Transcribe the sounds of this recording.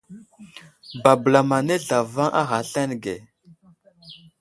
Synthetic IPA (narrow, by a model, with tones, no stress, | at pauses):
ba˨bla˨ma˨ne˦ɮa˨va˦ŋʔa̰˦ɣa˨ɬa˦n˨ɡe˨